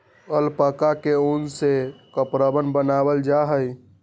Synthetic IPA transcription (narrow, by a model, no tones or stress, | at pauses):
əlpəkakeunsekəpɾəbənbənabəld͡ʒaɦəj